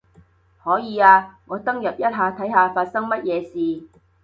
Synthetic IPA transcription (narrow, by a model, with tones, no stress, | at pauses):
hɔː˨˥jiː˨˧aː˧ŋɔː˨˧t̪ɐ˥ŋjɐ˨p̚jɐ˥t̚ɦaː˧t̪ʰɐ˨˥jɦaː˨˧faː˧t̚sɐ˥ŋmɐ˥t̚jɛː˨˧siː˨